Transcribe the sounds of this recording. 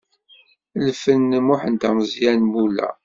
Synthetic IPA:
lfənːəmʊħənt̪æməzjænmulæ̰

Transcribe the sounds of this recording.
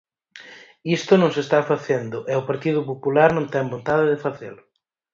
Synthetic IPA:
ist̪ʊnõŋsest̪afaθend̪ʊʔɛʊpaɾt̪iðʊpopulaɾnõŋt̪ɛŋbont̪aðɪðɪfaθḛlʊ

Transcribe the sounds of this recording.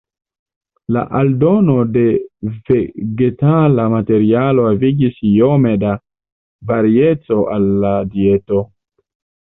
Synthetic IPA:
la̰ʔaldo̞no̞de̞ve̞ɡe̞talamate̞ɾialo̞aviɡisjome̞da | vaɾie̞t͡so̞ʔalːadieto

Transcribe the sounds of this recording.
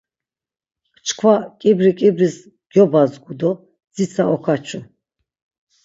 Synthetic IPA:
t͡ʃkʰwakʼibɾikʼibɾis | ɡ̥jɔbazɡud̪ɔ | d͡zit͡sʰaɔkʰat͡ʃʰu

